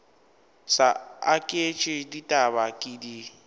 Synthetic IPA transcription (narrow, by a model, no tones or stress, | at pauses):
saakʼet͡ʃʼɪditʼaβakʼidi